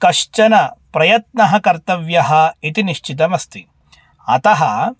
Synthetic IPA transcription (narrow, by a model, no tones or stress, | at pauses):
kɐʃt͡ʃɐnɐpɾɐjɐt̪̚nɐɦɐkɐɾt̪ɐʋjɐɦɐit̪iniʃt͡ʃit̪ɐmɐst̪i | ɐt̪ɐɦɐ